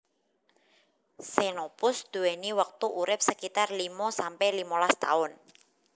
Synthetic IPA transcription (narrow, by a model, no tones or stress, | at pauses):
senopʊsd̪̥ṳweniwək̚t̪uʔuɾɪp̚səkit̪arlimɔsampɛlimɔlast̪a̰ʊn